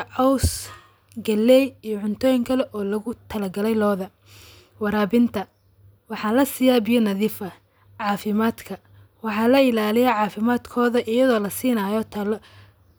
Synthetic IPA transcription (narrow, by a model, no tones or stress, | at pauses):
ʕɔws | ɡɐlːɛjijɔʕʊnt̪ʰɔːjɪŋkʰɐlɛʔɔːlɐɣʊt̪ʰɐlɐɡɐlɛjlɔːðɐ | wɑɾaːbɪnt̪ʰɐ | wɑħɑːlɐsɪjaːbijɔnɐðiːfɐ | ʕɑːfɪmaːd̪kʰɐ | wɑħɑːlɐɪlaːlɪjɛʕɑːfɪmaːd̪kʰɔːðɐʔɪjɐðɔːlɐsiːnaːjɔt̪ʰɐl